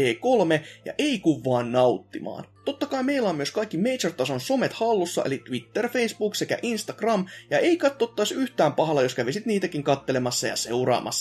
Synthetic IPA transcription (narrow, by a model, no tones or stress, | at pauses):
eːkolmejɑ̰ʔeikuʋːɑːnnɑut̪ːimɑ̰ːnt̪ot̪ːɑkɑime̞ilːæomyøskɑikːime̞jt͡ʃert̪ɑsonso̞met̪hɑlːusːɑ̰ʔelit̪ʋit̪ːerfe̞isb̥uːksekæ̰ʔinst̪ɑɡ̥rɑmjɑʔe̞ikɑt̪ːot̪ːɑisyht̪æːmpɑɦɑlɑjo̞skæʋisit̪niːt̪ækiŋkɑt̪ːelemɑsːɑ̰jɑ̰se̞urɑ̰ːmʔɑ̰sːɑ